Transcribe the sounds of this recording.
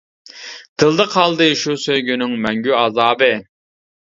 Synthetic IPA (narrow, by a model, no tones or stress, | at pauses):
d̪̥ɨlˠd̪ɨqʰɑlˠd̪ɨʃusøjɡʲynyŋmɛŋɡʲyɑzɑːbɨ